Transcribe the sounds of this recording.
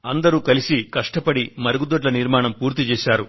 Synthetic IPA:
ɐnd̪ɐɾuːkɐlisikɐʂʈɐpɐɽimɐɾɐɡud̪oʈ̬lɐniɾmaːɳɐmpuːɾt̪it͡ʃɛːʃaːɾu

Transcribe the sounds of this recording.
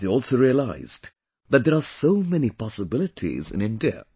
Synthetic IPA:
ðeɔlˠsoʊɹiəlaɪz̥ | ðæt̚d̪əɹasoʊmɛnipʰɑsəbɪlɨtʰḭzɨ̰̃nɪ̃ndiə̰

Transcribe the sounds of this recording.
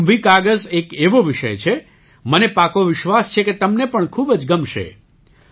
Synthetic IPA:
mbʱikaɡəzekeʋoʋɪʃə̰jt͡ʃʰe | mənepakoʋɪʃʋast͡ʃʰeket̪əmnepəɳkʰubəd͡ʒɡəmʃḛ

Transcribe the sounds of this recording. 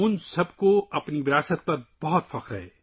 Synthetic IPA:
ʊnsɐbkoɐpniʋɪɾaːsət̪̚pɐɾb̥ɐɦɔt̪fɐqɾɐ̰ɦḛː

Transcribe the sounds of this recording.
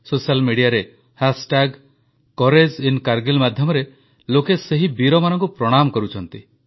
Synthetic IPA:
sosialmiɽijaɾe | hasʈaɡ | kɔɾed͡ʒinkaɾɡilmad̪ʱjɔmɔɾe | lokeseɦibiɾɔmanɔŋkupɾɔɽ̃amɔkɔɾut͡ʃʰɔnt̪i

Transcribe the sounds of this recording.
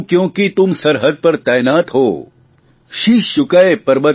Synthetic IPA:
kjõːkit̪ʊmsɐɾɦəd̪̚pɐɾt̪aːjnaːt̪ɦoː | ʃiʃʊkaepɐɾbɐ

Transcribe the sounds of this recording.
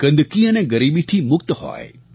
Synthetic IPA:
ɡ̥ə̃nd̪kiəneɡəɾibit̪ʰimʊkt̪hɔ̰j

